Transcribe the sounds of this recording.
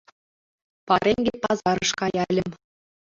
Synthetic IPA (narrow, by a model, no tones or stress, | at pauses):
pɑɾʲeŋʲɡʲepɑzɑɾɤ̆ʃkɑjɑlʲɘ̆mʲ